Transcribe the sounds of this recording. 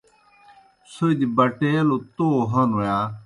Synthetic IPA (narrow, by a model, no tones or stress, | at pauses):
soid̪ibɐʈelot̪oɦɐnojaː